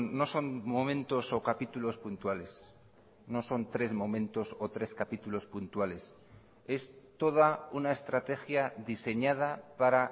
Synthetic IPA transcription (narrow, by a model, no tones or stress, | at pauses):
o̞so̞nmo̞mẽ̞nt̪o̞so̞kapit̪ulo̞spunt̪wale̞s | no̞so̞nt̪ɾe̞zmo̞mẽ̞nt̪o̞so̞t̪ɾe̞skapit̪ulo̞spunt̪wale̞s | e̞st̪o̞ð̞aunae̞st̪ɾat̪e̞xjaðise̞ɲað̞apaɾa